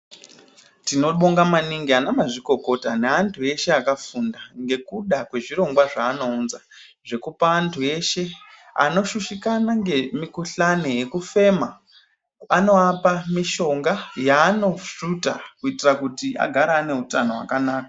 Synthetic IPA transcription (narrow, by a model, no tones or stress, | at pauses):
tino̞ɓo̞ŋɡamaniŋɡianamaʐiko̞ko̞taneantʰue̞ʃe̞akafundaŋɡe̞kuɗakwe̞ʐiɾo̞ŋɡwaʐaːno̞uːnza | ʐe̞kupaːntʰue̞ʃe̞ | a̰no̞ʃuʃikanaŋɡemikuɬano̞je̞kufe̞ma | ano̞apamiʃo̞ŋɡajaːno̞utakuitirakutia̰ɡʱaɾaːne̞ɦutano̞wa̰kanaːka